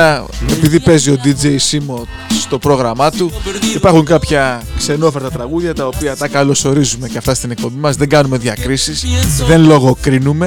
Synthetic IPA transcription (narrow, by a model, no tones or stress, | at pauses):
ɐepiðipe̞zio̞d̪id͡ʒe̞jsimo̞ | st̪o̞pɾo̞ɣɾɐmɐt̪uipɐɾxuŋkɐpçɐkse̞no̞feɾt̪ɐt̪ɾɐɣuðʝɐt̪ɐo̞piɐt̪ɐkɐlo̞so̞ɾizume̞ceɐft̪ɐst̪ine̞k̚po̞bimɐzðe̞ŋɡɐnume̞ðʝɐkɾisisðe̞nlo̞ɣo̞kɾinume̞